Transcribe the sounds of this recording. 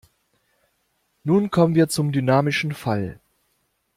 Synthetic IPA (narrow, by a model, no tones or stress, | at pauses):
nuːnkʰɔmənviːɐt͡sʊmdynaːmɪʃn̩fal